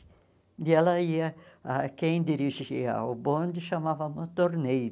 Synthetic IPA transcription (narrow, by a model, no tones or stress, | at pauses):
ɪɛlɐiɐakẽj̃d̪iɾiʒiɐwbõnd̪ɪʃamavɐũmɐ̃t̪oɾnejɾ